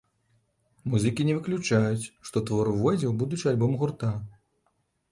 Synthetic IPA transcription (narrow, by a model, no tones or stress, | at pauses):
muzɨkʲinʲɛvɨklʲut͡ʂajut͡sʲʂt̪ɔt̪vɔɾuvɔd͡zʲɛwbud̪ut͡ʂɨalʲbɔmɣurt̪a